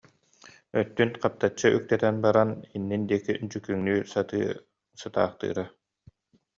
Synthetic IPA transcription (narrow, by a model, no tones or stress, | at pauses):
œt̪ːynqap̚t̪at͡ɕːɯʔyk̚t̪ɛt̪ɛnbaɾaninːind̪iɛkid͡ʑykyŋnyːsat̪ɯ̰ː | sɯt̪a̰ːχt̪ɯ̰ːɾa